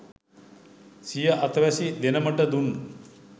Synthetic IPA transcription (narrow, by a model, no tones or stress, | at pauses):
sijəʔat̪ʋæsid̪enəməʈəd̪unː